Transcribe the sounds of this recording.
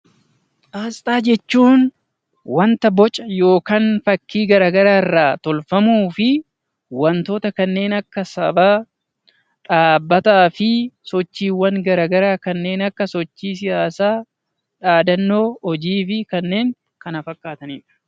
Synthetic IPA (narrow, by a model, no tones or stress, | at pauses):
aːst̪ʼaːd͡ʒɛt͡ʃːuːn | wɐnt̪ɐbɔt͡ʃʼɐjo̞ːkanfɐkːiːɡɐɾaːɡɐɾaːɪrːaːt̪ɔlfɐmuːfɪ | wɐnt̪oːt̪ɐkɐnːe̞ːnɐkːɐsɐbaː | ᶑaːbːɐt̪aːfɪsɔt͡ʃːiːwːɐŋɡɐɾaːɡɐɾaːkɐnːe̞ːnɐkːɐsɔt͡ʃːiːs̬ɪjaːsaː | ᶑaːd̪ɐnːo̞ːɔd͡ʒiːfɪkɐnːe̞ːŋ | kɐnɐfɐkːaːt̪ɐniːᶑɐ̥